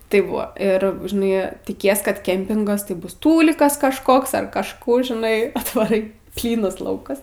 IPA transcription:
ˈtɐɪp ˈbʊʋoː ˈɪr ʒʲɪˈnɐɪ tʲɪˈkʲiɛs kɐt ˈkʲɛmʲpʲɪŋɡɐs tɐɪ ˈbʊs ˈtuːlʲɪkɐs kɐʃˈkoːks ɐr kɐʃˈkuː ʒʲɪˈnɐɪ ɐtʋɐˈrɐɪ ˈpʲlʲiːnɐs ˈlˠɐʊkɐs

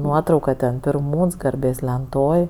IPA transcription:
ˈnuɔtrɐʊkɐ tʲɛn pʲɪrˈmuːns ɡɐrʲˈbʲeːs lʲɛnˈtoːj

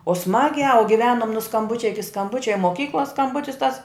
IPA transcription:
oː ˈsmɑːɡʲæː ʊ ɡʲɪˈʋʲæːnʊm nʊ skɐmˈbʊt͡ʃʲɛ ɪkʲɪ skɐmˈbʊt͡ʃʲɛ ɪ moːˈkʲiːklˠoːs skɐmˈbʊtʲɪs tɐs

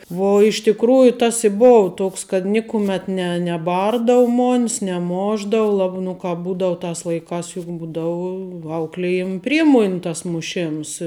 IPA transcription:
ˈʋoː ɪʃ tʲɪkˈruːjʊ tɐs ɪ ˈboːʋɐ ˈtoːks kɐt ˈnʲɪkʊmʲɛt ˈnʲɛ nʲɛˈbɐrdɐʋʊ ˈmoːnʲs nʲɛˈmoːʒdɐʋʊ lˠɐ nʊ ˈkɑːp ˈbuːdɐʋʊ ˈtɑːs lˠɐɪˈkɑːs jʊk ˈbuːdɐʋʊ ˈɐʊklʲɪjɪm ˈpʲrʲiɛmoːnʲɪ tɐs mʊˈʃʲeːms

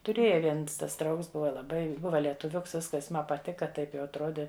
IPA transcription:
tʊˈrʲeːjɛ ˈʋʲiɛns tɐs ˈdrɐʊks ˈbʊʋɐ lˠɐˈbɐɪ ˈbʊʋɐ lʲiɛtʊˈʋʲʊks ˈʋʲɪskɐs ˈmɐ pɐˈtʲɪkɐ ˈtɐɪp jɛʊ ɐtˈroːdʲɪ

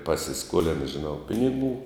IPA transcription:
pɐsʲɪˈskuɔlʲɪnɐ ʒʲɪˈnɐʊ ˈpʲɪnʲɪˌɡuː

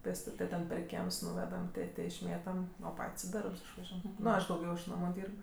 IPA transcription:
pʲeːsˈtʊtʲ tɐɪ ˈtʲɛn pʲɛr ˈkʲiɛms ˈnuːʋʲɛdɐm ˈtʲeː ˈtʲeː ɪʃʲˈmʲeːtɐm oː ˈpɐtʲsʲ ɪ ˈdɐrps ɪʃʋɐˈʒʲuɔjɛm ˈnʊ ˈɐʃ dɐʊˈɡʲɛʊ ɪʃ ˈnɑːmʊ ˈdʲiːrp

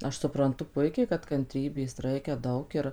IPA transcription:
ˈɐʃ sʊprɐnˈtʊ ˈpʊɪkʲɛɪ kɐt kɐnʲˈtʲrʲiːbʲeːs ˈrɐɪkʲɛ ˈdɐʊk ɪr

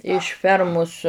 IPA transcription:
ɪʃ ˈfʲɛrmʊs

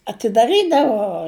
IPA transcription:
ɐtʲɪdɐˈrʲiːdɐʋoː

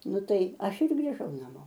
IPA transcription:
ˈnʊ ˈtɐɪ ˈɐʃ ɪr ɡrʲiːˈʒɐʊ nɐˈmoː

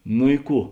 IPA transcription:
nʊ ɪ ˈkuː

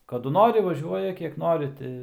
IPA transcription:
kɐˈdʊ ˈnoːrʲɪ ʋɐˈʒʲuɔjɛ ˈkʲiɛk ˈnoːrʲɪ tʲɪ

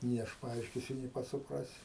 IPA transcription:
nʲeː ˈɐʃ pɐˈɐɪʃʲkʲɪsʲʊ nʲeː ˈpɐts sʊˈprɑːsʲɪ

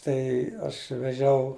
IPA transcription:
ˈtɐɪ ɐʃ ʋʲɛˈʒʲɛʊ

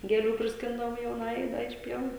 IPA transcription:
ɡʲeːˈlʲuː pʲrʲɪsʲˈkʲɪndɐʋoːm jɛʊˈnɑːjɛɪ ˈdɐ ɪʃ ˈpʲiɛʋuː

